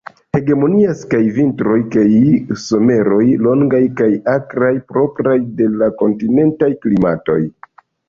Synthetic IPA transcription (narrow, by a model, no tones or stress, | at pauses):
he̞ɡe̞mo̞niaskajvintɾo̞jkajso̞me̞ɾo̞jlo̞ŋɡajkajakɾajpɾo̞pɾajde̞lako̞ntine̞ntajklimato̞̰j